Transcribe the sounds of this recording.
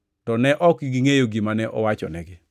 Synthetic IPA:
tɔnɛʔɔkɡiŋejoɡimanɛʔɔ̰wat͡ʃɔ̰nɛɡɪ

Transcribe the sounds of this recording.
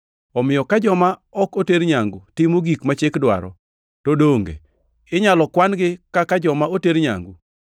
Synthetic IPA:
ɔmɪjɔkad͡ʒɔmaɔkoteɾɲaŋɡutɪmoɡikmat͡ʃekdwa̰ɾɔ̰ | todoŋɡḛ | ɪɲalɔkwanɡɪkakad͡ʒɔmaoteɾɲa̰ŋɡu

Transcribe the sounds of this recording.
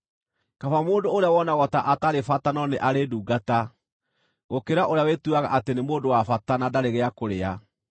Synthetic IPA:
kafamoːndoːɾeawɔnaɣɔtaʔataɾefatanɔneʔaɾeduːɡata | ɣokeɾaʔoɾeawetuaɣa̰ʔatenemoːndowafatanadaɾeɣeakoɾea

